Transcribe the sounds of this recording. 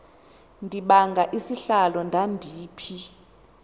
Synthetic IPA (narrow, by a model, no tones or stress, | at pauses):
ndʱiɓaŋɡʱaʔisiɬalɔndʱandʱiːpʰi